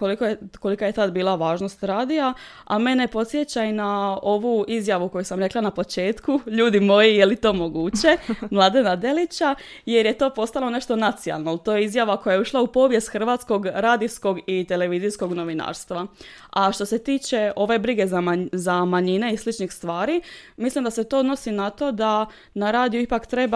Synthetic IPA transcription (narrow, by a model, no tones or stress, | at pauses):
kolikoko̞likaje̞t̪ad̪biːlˠaʋaːʒno̞st̪ɾaːd̪ija | ame̞ne̞po̞t̪sjet͡ɕajnao̞ʋuizjaʋuko̞jusamɾe̞klˠanapo̞t͡ʃe̞ːt̪kuʎuːd̪imo̞jijelit̪o̞ːmo̞ɡuːt͡ɕe̞mlˠad̪e̞nad̪e̞lit͡ɕa | je̞ɾjet̪o̞ːpo̞st̪alo̞ne̞ʃt̪o̞nat̪sia̰lˠnoelt̪o̞ːjeizjaʋakojajeuʃlˠaupo̞ːʋje̞st̪xr̩ʋaːt̪sko̞ɡɾaːd̪isko̞ɡit̪e̞le̞ʋizisko̞ɡno̞ʋina̰ːɾst̪ʋaaʃt̪o̞se̞t̪iːt͡ʃe̞ʔo̞ʋe̞bɾiɡe̞zamazamaɲine̞islit͡ʃnixst̪ʋaːɾimislimd̪aset̪o̞od̪no̞sinat̪o̞d̪a | naɾaːd̪ijuipakt̪ɾe̞ba